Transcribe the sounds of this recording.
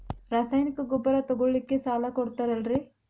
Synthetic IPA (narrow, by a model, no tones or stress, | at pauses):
ɾaːsaːjnikɐɡɔbːɐɾat̪ɔɡoɭlikːe̞saːlakɔɽt̪aːɾɐlɾi